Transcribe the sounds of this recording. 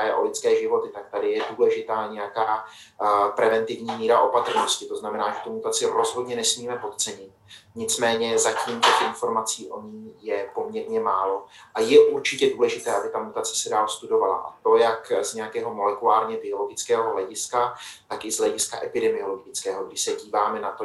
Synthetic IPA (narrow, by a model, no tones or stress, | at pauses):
ajɛ̰ʔo̞̰lɪt͡skɛːʒɪvo̞t̪ɪt̪ak̚t̪adɪjɛduːlɛʒɪt̪aːɲɛjakaː | pɾɛvɛnt̪ɪvɲiːmiːɾaʔo̞pat̪r̩no̞scɪt̪o̞znamɛnaːʒɛt̪umut̪at͡sɪɾo̞zɦo̞dɲɛnɛsmiːmɛpo̞t̪t͡sɛɲɪt̪̚ɲɪt͡smɛːɲɛzaciːmt̪ɛxʔɪnfo̞ɾmat͡siːʔo̞ɲiːjɛpo̞mɲɛɾɲɛmaːlo̞ʔajɛʔuɾt͡ʃɪcɛduːlɛʒɪt̪ɛːʔabɪt̪amut̪at͡sɛ̥sɛdaːlst̪udo̞vala̰ʔa̰t̪o̞jakzɲɛjakɛːɦo̞mo̞lɛkulaːɾɲɛbɪo̞lo̞ɡɪt͡skɛːɦoɦlɛɟɪskat̪akɪzlɛɟɪska̰ʔɛpɪdɛmɪo̞lo̞ɡɪt͡skɛːɦoɡdɪʃsɛɟiːvaːmɛnat̪o